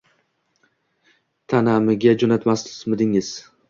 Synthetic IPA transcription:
t̪ʰanamɪɡʲad͡ʒonat̪masmɪd̪ɪŋɪz̥

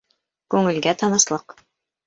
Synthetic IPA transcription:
kʉŋɘ̆lɡæt̪ɑnɤ̆slˠɤq

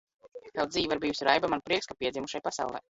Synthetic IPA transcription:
kalˠd̪ziːvaɾbijusʲiɾajbamanpɾiɛkskapiɛzʲimuʃajpasa̰wlˠɛ̰j

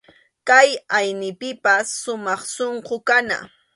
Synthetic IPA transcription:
kajajnɪpɪpasːʊmɑχsoɴqokana̰

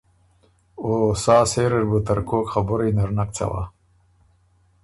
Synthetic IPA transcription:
oːsaːseːɾeɾbut̪aɾkoːkχabʊɾijnaɾnak̚t͡sʰa̰wa̰

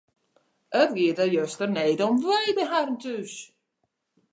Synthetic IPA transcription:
ətʋiətəjøstərneːdɔmʋɛjdəɦarəntys

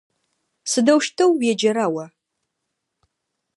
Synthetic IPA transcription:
sɨdɐwʃtʰɐwjɛd͡ʒɐɾaːwɐ

